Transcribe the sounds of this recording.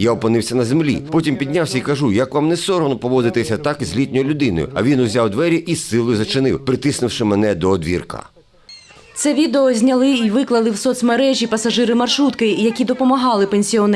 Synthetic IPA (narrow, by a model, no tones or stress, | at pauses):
jaɔpɔnɪwsʲɐnɐzemlʲḭpɔtʲimpʲid̪ʲnʲawsʲɐikɐʒujɐkʋamnɛsɔɾɔnɔpɔʋɔd̪ɪt̪ɪsʲɐt̪akzʲlʲit̪ʲnʲɔjɔlʲʊd̪ɪnɔ̰jʊ̰ɐ̰ʋʲinʊzʲawd̪ʋɛɾʲiʔisːɪlˠɔjʊzɐt͡ʃɪnɪwpɾɪt̪ɪsnɪwʃɪmɛnɛd̪ɔːd̪ʋʲḭrkɐ̰ | t̪sɛʋʲid̪eɔzʲnʲɐlˠɪiʋɪklˠɐlˠɪwsɔt̪smeɾɛʒʲipɐsɐʒɪɾɪmɐrʃɾut̪kɪjɐkʲid̪ɔpɔmɐɦɑlˠɪpenʲsʲiɔn